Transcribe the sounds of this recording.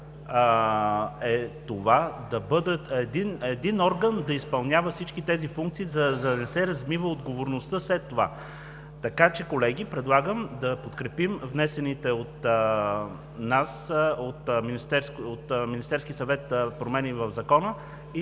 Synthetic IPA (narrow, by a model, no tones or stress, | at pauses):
ɛt̪ovad̪ɐbɤd̪əɛd̪inɛd̪inɔɾɡənd̪ɐispɐlˠnʲavəfsit͡ʃkit̪ɛzifuŋk̚t̪siːzɐd̪ɐnɛsɛɾɐzmivəod̪ɡovoɾnost̪əslɛt̪ːova̰ | t̪ɐkat͡ʃɛkolɛɡ̟ipɾɛd̪lˠaɡəmd̪ɐpot̪kɾɛpimvnɛsɛnit̪ɛot̪ | nasot̪minist̪ɛɾskot̪minist̪ɛɾskisɐvɛt̪pɾomɛnivəvzɐkɔnə | i